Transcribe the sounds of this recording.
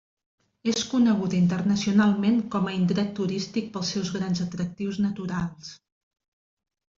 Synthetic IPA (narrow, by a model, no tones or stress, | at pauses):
eskunəɣ̞ut̪int̪ərnəsiunalˠmeŋkɔməint̪ɾɛt̪ːuɾist̪ik̚pəlˠsɛwzɣɾanzət̪ɾək̚t̪iwznət̪uɾalˠs